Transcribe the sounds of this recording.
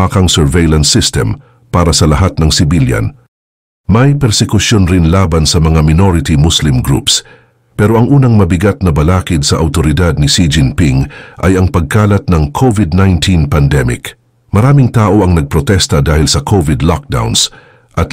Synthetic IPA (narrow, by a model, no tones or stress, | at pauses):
akɐŋsɛɹvejlɐnsːɪst̪ɛ̰m | paːɾɐsɐlɐɦat̪̚nɐŋsɪbiljɐ̰n | mɐjpɛɾsɛkʊsjonɾɪnlaːbɐnsɐmɐŋamɪnoɾɪt̪imʊslɪmɡɾṵps | pɛɾo̞ʔɐŋʔuːnɐŋmɐbɪɡat̪̚nɐbɐlaːkɪd̪sɐʔɐwt̪oɾɪd̪ad̪̚nɪsid͡ʒɪnpɪŋʔɐ̰jɐŋpɐɡ̚kaːlɐt̪̚nɐŋkʰovɪd̪̚najnt̪ʰinpɐnd̪ɛmɪ̰k | mɐɾaːmɪŋt̪aːʔo̞ɐŋnɐɡ̚pɾot̪ɛst̪ɐd̪aːhɪlsɐkʰovɪd̪lɔk̚d̪a̰wns | ʔɐt̪